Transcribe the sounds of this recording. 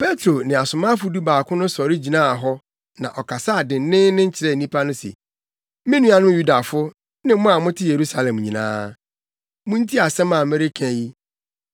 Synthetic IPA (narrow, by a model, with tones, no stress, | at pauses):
pʰe˦tʰɾo˨nɪ̃˨a˨sʊ˨mã˦fʊ˦du˦baː˨kʰʊ̃˦nʊ̃˦sɔ˨ɾɪ˦d͡ʑi˨nã˦a˨ɦɔ˦ | nã̰˨ʔɔ˨kʰa˨sa˦a˨dɪ̃˨n˦nɪ̃˦nɪ̃˦ɲ̩˦t͡ɕʰɪ˨ɾɛ˦˨nĩ˦pʰa˦nʊ̃˦sḛ˨ | mɪ̃˦nũ˦a˨nʊ̃˦ju˦da˨fʊ˦ | nɪ̃˦mʊ̃˦a˨mʊ̃˦tʰɪ˦je˨ɾu˦sa˦lɛ̃˨mɲĩ˨nã̰ː˦ | mʊ̃˦n̩˦tʰi˦a˨sɛ̃˦mã˨mɛ˦ɾe˦kʰæ̃˦ji˦